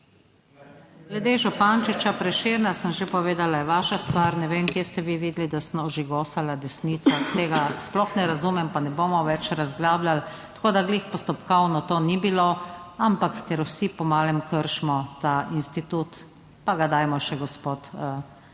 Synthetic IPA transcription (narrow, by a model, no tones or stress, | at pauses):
ɡlɛd̪eːʒɔpant͡ʃit͡ʃapɾɛʃeɾnasəmʒepɔʋeːd̪alajɛʋaːʃast̪ʋaɾnɛʋeːmkjeːst̪ɛʋiʋiːd̪lid̪asmɔʒeɡoːsalad̪ɛsniːt̪sat̪eːɡasplɔxnɛɾazumɛmpanɛboːmɔʋɛt͡ʃɾazɡlaːblalt̪ḁkoːd̪aɡleːxpɔst̪ɔpkɔwnɔt̪oːnibiloampakːɛɾwsipɔmaːlɛmkəɾʃmɔt̪ainst̪it̪ut̪ | paɡad̪ajmɔʃɛɡɔspoːt̪